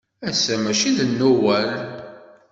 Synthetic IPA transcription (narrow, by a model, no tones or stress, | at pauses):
æsæmæʃiðənːuwæl